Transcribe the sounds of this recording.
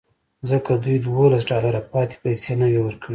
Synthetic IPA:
zəkad̪ujd̪wolasɖɑlaɾapɑt̪e̥pajsenawewəɾkʰəɽi

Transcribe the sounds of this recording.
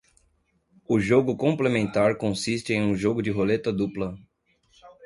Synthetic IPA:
ʊʒoɡʊkõmplemẽnt̪aɾkõsist͡ʃɪẽj̃ũʒoɡʊd͡ʒɪɦolet̪ɐd̪uplɐ

